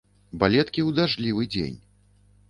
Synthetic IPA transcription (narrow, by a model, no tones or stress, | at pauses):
balʲɛt̪kʲiwd̪aʐlʲivɨd͡zʲḛnʲ